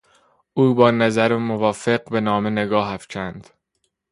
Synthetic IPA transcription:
ʔuːbɒːnæzæɾemovɒːfeɢ̚be̞nɒːmene̞ɡɒːɦæfcʰænd̪̥

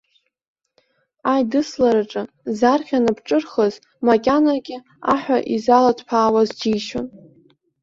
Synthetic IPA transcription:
ajdɨslaɾaʈ͡ʂʼɨ | zarχʲanɨpʰʈ͡ʂʼɨrχəz | makʲʼanaɡʲɪ | aħʷᶣaʔizalatʰpʰaːwazd͡ʒijʃon

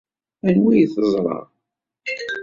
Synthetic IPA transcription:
ænwijθəzˤɾˤɑ̰

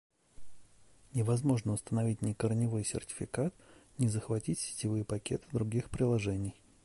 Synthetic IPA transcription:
nʲɪvɐzmo̞ʐnəʊst̪ənɐvʲitʲnʲɪkərnʲɪvojsʲɪ̰rtʲɪ̥fʲɪkat̪̚nʲɪzəxvɐtʲitʲsʲɪ̥tʲɪvɨjpɐkʲet̪ɨ̥d̪ɾʊɡʲixpɾʲɪlˠɐʐɛnʲɪj

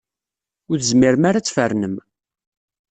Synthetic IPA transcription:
ʊɾθəzmiɾəmaɾat͡sːfərnəm

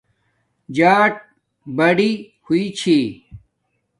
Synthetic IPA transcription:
d͡ʑaːʈ̚ | bɐɽi | huit͡ɕʰi

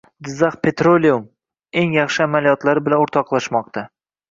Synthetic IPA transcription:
d̪ɪzːɑχpʰe̞t̪ɾolʲium | e̞ŋjɑχʃɪamalijɒt̪laɾɪbɪlanoɾt̪ʰɒqlˠaʃmɒq̚t̪ʰa

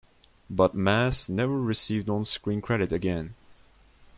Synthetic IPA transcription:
bʌt̚mæsnɛvə˞ɹɨsivd̃n̩skɹĩnkʰɹ̥ɛɾɨɾɨɡɛ̃n

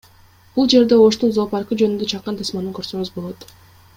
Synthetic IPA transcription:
b̥ulˠd͡ʒe̞ɾd̪e̞o̞ʃt̪unzopɑɾqɯd͡ʒønynd̪øt͡ʃʰɑqːɑnt̪ʰɯsmɑnɯŋkø̞ɾsøɡyzbo̞lˠot̪

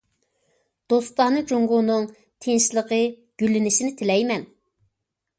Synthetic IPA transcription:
d̪̥ost̪ɑnɨd͡ʒoŋɡʊnɨŋ | t̪ʰenʃlˠəqə | ɡ̥ʲylːɪnɪʃinɪt̪ʰɪlɛjmɛn

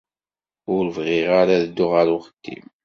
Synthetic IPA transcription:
ʊɾəvʁiʁaɾaðəd̪ːʊʁəɾʊχə̥t̪ːḭm

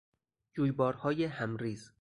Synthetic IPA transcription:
d͡ʒuːjbɒːɾhɒːjehæmɾiːz̥

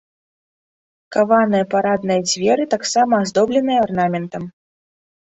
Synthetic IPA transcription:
kavanɐjɐpaɾad̪nɐjɐd͡zʲvʲɛɾɨt̪aksamɐːzd̪ɔblʲɛnɨjɐarnamʲɛnt̪ɐm

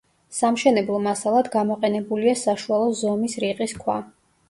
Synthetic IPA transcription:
samʃɛnɛblˠɔmasalˠad̪ɡamɔqʼɛnɛbuliasaʃualˠɔzɔmisɾiqʼiskʰwa̰

